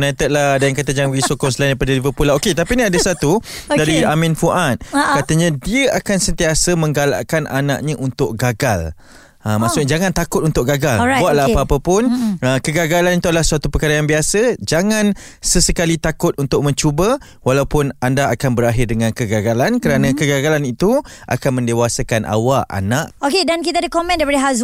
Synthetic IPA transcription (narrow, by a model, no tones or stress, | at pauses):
nat̪ət̪̚lahdajaŋkat̪̬əd͡ʒaŋɡisokɔŋsəlajndajpadəlivəpulaoket̪apinĩadasat̪udaɾiamɪ̃nfuʔat̪̚kat̪əɲãdiəʔakansənt̪iasəmə̃ŋɡala̰ʔkanʔa̰na̰ʔ̚ɲãʔunt̪ʊk̚ɡaɡal | əmasʊkɲad͡ʒaŋãnt̪akʊt̪̚unt̪ʊk̚ɡaɡalbuaʔ̪̚laapaapəpʊnəkəɡaɡalanit̪uadəlahsuat̪upəkaɾajaŋbiasəd͡ʒaŋãn | səsəkalit̪akʊt̪̚unt̪ʊʔ̚mə̃ɲt͡ʃubə | walawpʊnandaakanbəɾaɦɪrdəŋãnkəɡaɡalankəɾanə̃kəɡaɡalanit̪uʔa̰kanmə̃ndewasakanʔa̰waʔa̰naʔokedankit̪̬adəkɔmɛ̃ndajpadəɦaz